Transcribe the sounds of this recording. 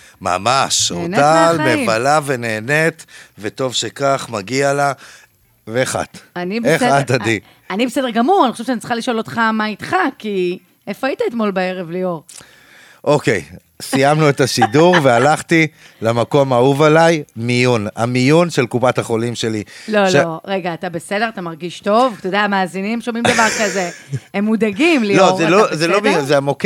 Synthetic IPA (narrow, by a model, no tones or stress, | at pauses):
ma̰maʃonalmevalave̞neːnet̪veto̞vʃekaχmaɡiala | veeχa̰t̪anibeχatadi | anibesedeɡamuʁaniχoeʃanit͡sχaliʃoo̞lo̞t̪χamait̪χaki | efait̪aet̪mo̞lbaeʁevlioʁ | ʔokej | sijamnuetaʃiduʁvealaχt̪i | lamako̞mauvalajmijuna̰mijunʃelkupathaχo̞limʃeliloʃloʁe̞ɡaːt̪abe̞sedeat̪amaʁɡiʃto̞vt̪odeamaːzinimʃomimd̪avaʁkaze̞emːud̪aɡimliloʁelozelomiuzeamok